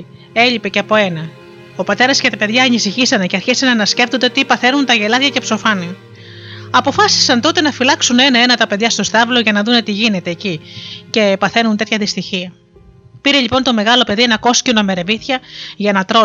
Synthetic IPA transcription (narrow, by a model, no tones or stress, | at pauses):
e̞ʎipe̞ceɐpo̞e̞nɐ | o̞pɐt̪e̞ɾɐscet̪ɐpe̞ðʝɐːnisiçisɐneceɐɾçisɐnɐnɐsce̞ft̪ond̪et̪ipɐθe̞nunt̪ɐʝe̞lɐðʝɐce̞pso̞fɐni | ɐpo̞fɐsi̥sɐnt̪o̞t̪e̞nɐfilɐksune̞nɐe̞nɐt̪ɐpeðʝɐst̪o̞st̪ɐvlo̞ʝɐnɐðune̞t̪iʝine̞t̪e̞ːcice̞pɐθe̞nunt̪e̞t̪çɐðist̪içiɐ | piɾe̞ʎipo̞nt̪o̞me̞ɣɐlo̞pe̞ðie̞nɐko̞scinome̞ɾe̞viθçɐʝɐnɐt̪ɾo